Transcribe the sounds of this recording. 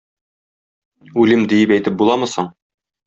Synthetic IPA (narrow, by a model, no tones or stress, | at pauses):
ʉlɘmd̪ĭjɘpæjt̪ɘp̚bulˠɑmɤ̆sɤɴ